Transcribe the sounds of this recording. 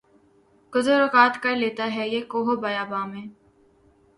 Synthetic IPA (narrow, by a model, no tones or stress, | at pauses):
ɡ̥ʊzəɾokaːt̪kɐɾleːt̪aɦɛjeːkoːɦobɐjaːbaːmẽː